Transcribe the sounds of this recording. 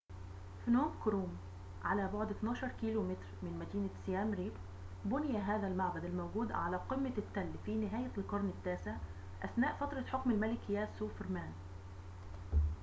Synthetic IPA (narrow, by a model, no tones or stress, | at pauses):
fnoːmkɾuːm | ʕalæːboʕd̪ɪt̪nɑːʃɑɾˤkiːlumɪt̪ɾmɪnmæd̪iːnasjæːmɾiːb | bʊnɪjæɦaːðælmaʕbæd̪ælmæwɡuːd̪ʕalæːqɪmːat̪ːælːfiːnɪɦæːjælkɑɾˤnɪt̪ːæːseʕ | ʔæθnaːʔfɑt̪ɾˤɑħʊkmɪlmælɪkjæːsuːfɪɾmæːn